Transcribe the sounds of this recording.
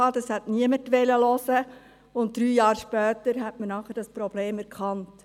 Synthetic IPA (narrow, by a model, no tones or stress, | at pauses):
ɑːd̥ɑshɛtniəmətʋɛləlɔsə | ʊnt̚d̥ɾyːjɑːɾʃpœːtəɾɦɛtmənɑːχɛɾd̥ɑspɾɔb̥leːmɛɾkχɑnt